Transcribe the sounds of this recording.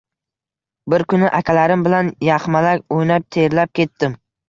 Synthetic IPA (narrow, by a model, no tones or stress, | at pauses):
bɪɾkʰʲʊnɪʔakʲʰalaɾɪmbɪlanjɑχmalakʲojnap̚t̪ʰe̞ɾlap̚kʲe̞t̪ːɪm